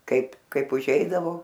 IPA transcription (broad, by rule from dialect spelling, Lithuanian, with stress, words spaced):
ˈkɐɪp ˈkɐɪp ʊˈʒʲɛɪdɐʋoː